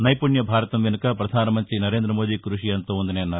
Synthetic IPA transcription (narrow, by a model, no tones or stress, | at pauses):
nɐjpuɳjɐbʱaːɾɐt̪ɐmʋenukɐpɾɐd̪ʱaːnɐmɐnt̪ɾinɐɾe̞ːnd̪ɾɐmoːd̪ikɾuʂiɐnt̪oond̪ineːɐnːaːɾ